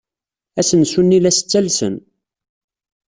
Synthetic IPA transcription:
æsənsunːilæsə̥t͡sːælsə̰n

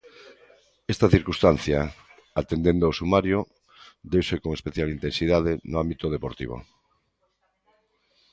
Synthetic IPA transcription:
est̪aθiɾkust̪an̟θja | at̪end̪ẽnd̪owsumaɾjo | d̪ewsekoŋespeθjalint̪ensiðaðenʊambit̪oð̞epoɾt̪ḭβ̞o̰

